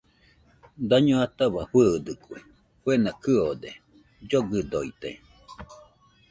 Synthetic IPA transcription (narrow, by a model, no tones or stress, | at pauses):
d̪aɲoat̪aβaɸɨːd̪ɯki | fuenakɨod̪e | d͡ʒoɡɨd̪oit̪ḛ